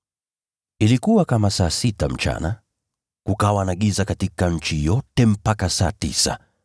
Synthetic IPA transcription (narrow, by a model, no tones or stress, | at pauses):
ilikuwakamasaːsitam̩t͡ʃa̰na̰ | kukawanaɠizakatikaɲ̩t͡ʃijɔtɛm̩pakasaːtḭsa̰